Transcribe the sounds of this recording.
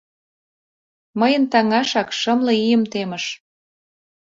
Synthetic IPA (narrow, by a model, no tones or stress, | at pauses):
məjə̆nt̪ɑŋɑʃɑkʃɤmlɤ̆ijə̆mt̪emə̆ʃ